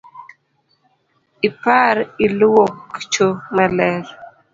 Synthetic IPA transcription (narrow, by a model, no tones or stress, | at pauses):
ipaɾilwokt͡ʃomɛlɛɾ